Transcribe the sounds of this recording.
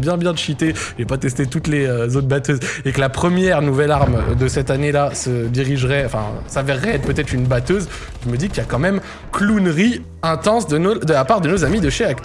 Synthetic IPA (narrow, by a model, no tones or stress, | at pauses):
bjɛ̃bjɛ̃d̪əʃit̪e | epat̪ɛs̬t̪et̪ut̪leøzot̪bat̪øzekəlapχəmjɛʁnuvɛlaʁmd̪əsɛt̪anelasəd̪iʁiʒʁɛɑ̃fɛ̰̃savɛʁːɛɛt̪pət̪ɛt̪χynbat̪øz | ʒəməd̪ikjakɑ̃mɛm | klunʁi | ɛ̃t̪ɑ̃sd̪ənod̪əlapaʁd̪ənozamid̪əʃeak